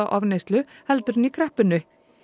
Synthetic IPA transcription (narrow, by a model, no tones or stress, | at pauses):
aʔɔvnejst̪lʏhɛlt̪ʏɾɪnikʰɾɛhpʏnːʏ